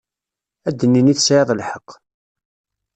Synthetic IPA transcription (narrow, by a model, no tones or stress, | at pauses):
æd̪ːənːiniθsʕeðˤlħəqː